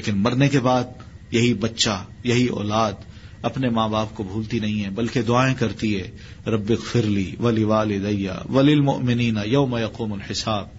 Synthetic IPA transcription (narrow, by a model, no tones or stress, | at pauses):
leːkɪnmɐɾnekebaːd̪̚jɐɦibɐtːʃajɐɦiɔ̰ːlaːd̪ | ɐpnemãːbaːp̚kobʱuːlt̪inɐɦĩɦɛbɐlked̪ʊaːẽkɐɾt̪iɦɛː | ɾɐbːɪɣfɪɾliːʋɐlɪʋaːlɪd̪ɐjːa̰ːʋɐlɪlmʊ̰ʔmɪniːnɐjɐʊmɐjɐquːmʊlħɪsaːb̚